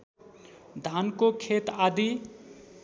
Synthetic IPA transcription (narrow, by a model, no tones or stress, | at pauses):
d̪ʱankokʰet̪ad̪i